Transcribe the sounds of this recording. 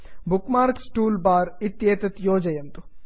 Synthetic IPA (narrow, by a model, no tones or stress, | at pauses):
bukmaːɾksʈuːlbaːɾit̪jeːt̪ɐt̪joːd͡ʒɐjɐnt̪u̥